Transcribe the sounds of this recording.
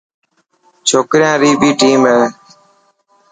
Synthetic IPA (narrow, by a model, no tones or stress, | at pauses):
t͡ʃʰoːkɾɪjãːɾiːbʱiːʈiːmɦeː